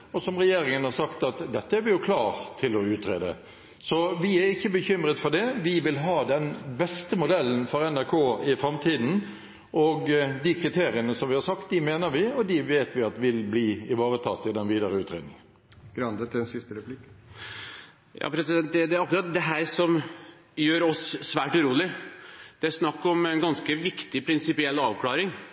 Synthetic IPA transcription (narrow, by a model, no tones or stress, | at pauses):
ɔsɔmɾɛjeːɾɪŋənhɑsɑkt̪ɑt̪d̪ɛt̪ːəæɾʋɪjʊkʰlɑːʁt̪ʰːɪlɔʉːt̪ɾḛːd̪ə̰ | sɔʋɪæɾɪçːəbəçʏmɾət̪fɔd̪ɛʋɪʋɪlɦɑːd̪ɛnbɛst̪əmʊd̪ɛlːənfɔɾɛnæɾkʰoːɪfɾɑmt̪ʰiːd̪n̩ | ɔɡd̪ɪkʰɾɪt̪ʰeːɾɪənəsɔmʋɪhɑɾsɑkt̪̚d̪ɪmeːnəɾʋɪɔd̪ɪʋeːt̪ʋɪɑt̪ʋɪlbliːɪʋɑːɾət̪ʰɑ̰t̪ːɪd̪ɛnʋiːd̪əʁəʉːt̪ɾḛd̪nɪ̰ŋən | ɡ̥ɾɑnd̪ət̪ʰɪɛnsɪst̪əɾɛpʰlɪk | jɑ̰ːpʰɾɛsɪd̪ɛnt̪̚d̪ɛd̪ɛæɾɑkːɾɑt̪̚d̪ɛɦæːɾsɔm | jøːɾɔsːʋæːʈʉɾuːlɪd̪̥ɛæʂnɑkːɔmɛnɡɑnskəʋɪkt̪ɪpʰɾɪnsɪpɪɛlːɑːʋkʰlɑːɾɪŋ